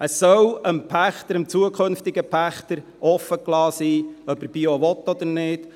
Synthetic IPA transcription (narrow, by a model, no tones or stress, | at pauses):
əsːœwəmpʰæχt̪əɾəmt͡suəkʰχɵnft̪ɪɡəpʰæχt̪əɾʔɔfːəklɑːsiːœpəb̥ioʋɔt̪ːɔd̪əɾnɪːt